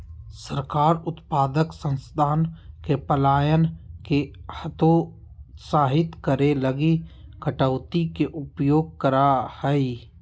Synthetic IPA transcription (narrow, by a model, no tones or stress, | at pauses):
səɾkaːɾʊt̪paːd̪əksə̃nst̪ʰaːnkepəlaːjənkehət̪o | saːɦɪt̪kəɾeləɡikəʈəʊt̪ikeʔʊpjoːɡ̚kəɾahɛi